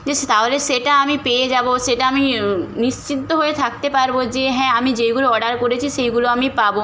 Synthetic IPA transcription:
d͡ʑeʃt̪aɦoleʃeʈaamipeed͡ʑaboʃeʈaaminiʃt͡ɕit̪ːoɦoet̪ʰak̚t̪epaɾbod͡ʑeɦɛ̃amid͡ʑejɡuloɔɖaɾkoɾet͡ɕʰiʃejɡuloamipabo

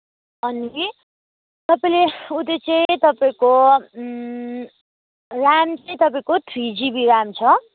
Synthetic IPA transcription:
ʌni | t̪ʌpaĩleut̪et͡sʌĩt̪ʌpaĩko | ramt͡sʌj̃t̪ʌpaĩkot̪ʰrid͡zibiɾamt͡sʰʌ

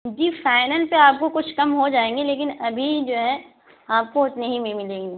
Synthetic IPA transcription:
d͡ʒiːfaːɪnəlpeaːp̚kokʊt͡ʃʰkɐmɦod͡ʒaːẽːŋɡeleːkɪnɐbʱid͡ʒoːɦɛ | aːp̚koʊt͡ʃ̪neɦĩmemɪlẽːŋɡiː

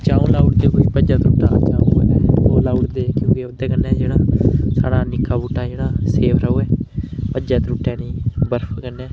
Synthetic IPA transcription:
t͡ʃaːũːlaːuɽd̪eːkoːipəd͡ʒãːt̪ɾuːʈa̰ːt͡ʃaːoəɛːoːlaːʈd̪eːkjõːkɪod̪ɛːkənːɛːd͡ʒeːɽaːsa̰ːɽaːnɪkːaːbuːʈːaːd͡ʒeːɽaːseːpʰɾəoːɛːpəd͡ʒaːt̪ɾuːʈːɛːnĩːbəɾpʰkənːɛː

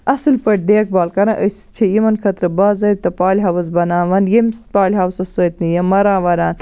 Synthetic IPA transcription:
ɐsɨlpɐʈ̚d̪eːk̚baːlkɐɾɐ̃ʔəst͡ʃʰijimɐnkʰɐt̪ɾɐbaːzɐt̪ɐpaːlʲɦɐwɐzbɐnaːʋɐnjemst̪̚paːlʲɦaːwsɐsɐːt̪nijɐmɐɾãːʋɐɾaːn

